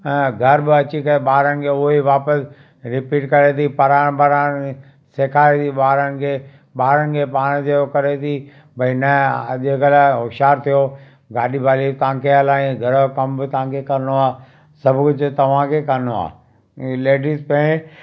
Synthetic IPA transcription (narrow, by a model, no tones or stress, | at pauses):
ɡʱɐɾbɪɐt͡ɕikɐɾeɓaːɾənɪ̆kʰeʊɦeʋaːpəs | ɾɪpiːʈkɐɾet̪ipɐɾaːɽ̃baːɾaːɽ̃ | seːkʰaːet̪ʰiɓaːɾənɪ̆kʰeː | ɓaːɾənɪ̆kʰepaːɽ̃d͡ʑeokɐɾet̪ʰi | bɐinɐʄekəlaɦʊʃaːɾt̪ʰijo | ɡaːɗibaːlit̪ɐãːkʰeɐlaːĩɡʱɐɾokɐmbɪt̪ɐʋãkʰekɐɾnoaː | sɐbʱkʊd͡ʑʊt̪ɐʋ̤ãkʰekɐɾnoa̰ː | leːɖiːzpɐ̃ẽ